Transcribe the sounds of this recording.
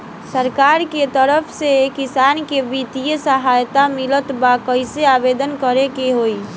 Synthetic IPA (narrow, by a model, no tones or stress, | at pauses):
səɾkaɾket̪əɾəpʰsekisankebit̪ijəsəɦajt̪amilət̪bakəɪseabed̪ənkəɾekeɦoi